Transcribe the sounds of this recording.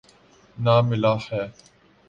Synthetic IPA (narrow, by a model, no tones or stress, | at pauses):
naːmɪlaːħɛː